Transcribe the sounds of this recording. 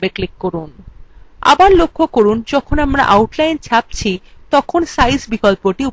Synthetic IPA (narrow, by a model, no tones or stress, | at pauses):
beklikːoɾun | a̰baɾlokʰːokoɾund͡ʑɔkʰonamɾa̰ʔawʈlajnt͡ɕʰap̚t͡ɕʰit̪ɔkʰonsajsbikolpoʈiu